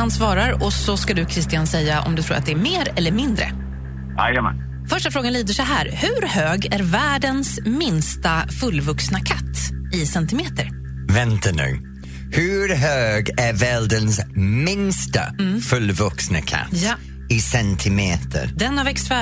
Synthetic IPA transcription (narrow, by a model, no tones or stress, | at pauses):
ansvɑːɾaɾɔsɔskad̪ɵkʰɾɪst̪ɪansɛjːaʔɔ̰md̪ɵt̪ʰɾuːɾat̪̚d̪ɛæɾmeːɾɛlːəɾmɪnd̪ɾə̰ | a̰jəma̰n | fœʂʈafɾoːɡanliːd̪əʂɛɦæːɾhɵɾhøːɡæɾvæːɖənsmɪnst̪afɵlːvɵksnakʰat̪ːɪsɛnt̪ɪmeːt̪əɾ | vɛnt̪ʰanʉ̰ː | hʉɾɦøːɡæɾvɛɖənsmɪnst̪a̰fɵlvɵksnəkʰa̰t̪ | ɪsɛnt̪ʰɪmeːt̪ʰə̰ɾd̪ɛnːavɛkst̪fæ